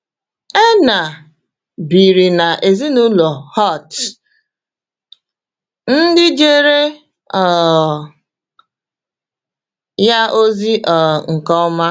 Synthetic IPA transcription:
e˦na˨ | bi˨ɾi˨na˨ʔe˨zi˦nu˦lo˨hɔ˦˨t | n̩˦dɪ˦d͡ʒe˦ɾe˦ | ɔ˨ | ja˦ʔo˦zi˦ʔɔ˨ŋ̩˨kɔ˦ma˦

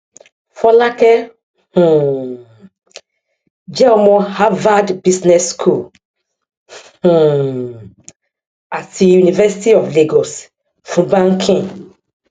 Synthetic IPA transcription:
fɔ˦la˦kɛ˦ | h̩˨ | d͡ʒɛ˦ɔ˧mɔ̃˧ha˦va˦dbi˦snɛ˦skʰu˦˨l | hũ˨ | a˨ti˧ju˨ni˨vɛ˦si˦ti˦ɔ˨fle˦ɡɔ˨s | fũ˨˦bã˦ŋ̩˦kʰĩ˦˨

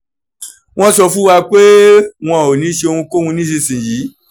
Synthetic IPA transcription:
w̃ɔ̃˦sɔ˧fũ˦wa˧k͡pe˦w̃ɔ̃˧˨o˨nĩ˨˦ʃe˧o˧hũ˧ko˦hũ˧nĩ˦ʃe˧sĩ˨jiː˨˦

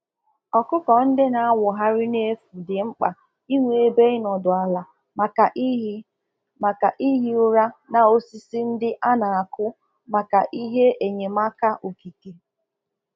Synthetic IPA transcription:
ɔ˨kʊ˦kɔ˨n̩˦dɪ˦na˨a˦wʷʊ˨ɦa˦ɾɪ˦ne˦fu˨dɪ˨ŋ͡m̩˦k͡pa˨ | i˦ŋʷe˨e˨be˦ɪ˦nɔ˨dʊ˨a˨la˨ | m˨ka˨˦ | ma˨ka˨ʔi˦ɦi˦ʊ˦ɾa˦na˨o˦si˦si˦n̩˦dɪ˦ʔa˦na˨a˨kʰʊ˦ | ma˨ka˨ʔi˦ɦe˦e˨ɲe˨ma˦ka˦ʔo˨ki˨ke˨

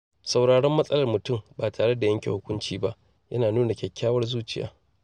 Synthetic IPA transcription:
sa˨wɽaː˨ɽɛ˦mːɐ˦sʼɐ˦lɐ˨rmʊ˨tʊ˦˨mbaː˨tʰaː˨ɽe˦da˨jɐ˦ŋkʲḛ˨hʊ˦kʷʊ˦nt͡ʃiː˦ba˦ʔ | jɐ˦naː˨nuː˦na˨kʲɛ˨kʲːaː˦wɐ˦rzuː˦t͡ʃɪ˦ja̰ː˨˦

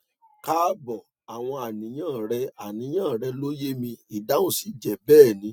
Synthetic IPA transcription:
ka˦bɔ˨ | a˨w̃ɔ̃˧a˨nĩ˨˦j̃ãː˦˨ɾɛ˧a˨nĩ˨˦j̃ãː˦˨ɾɛ˧lo˦je˦mĩ˧i˨da˨˦ũ˦si˨˦˨d͡ʒɛ˨bɛː˦˨nĩ˨˦

